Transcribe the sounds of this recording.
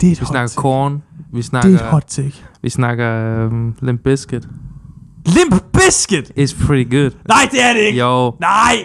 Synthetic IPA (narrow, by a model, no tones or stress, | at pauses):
d̥eʋisnɑɡɐkʰɔːnʋisnɑdehɔd̥̚tʰeɡ̥ʋisnɑɡ̥ɐ | lɪ̃mp̚b̥ɪskəd̥ | lɪ̃mpb̥ɪskəd̥ɪtspʰɹ̥ɪɾiɡʊd̥naɪd̥eæɾɪkjoʊnaɪ